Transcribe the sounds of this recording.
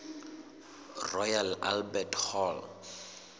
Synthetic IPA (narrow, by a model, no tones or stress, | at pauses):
rɔjala̰lbɛtʰhɔl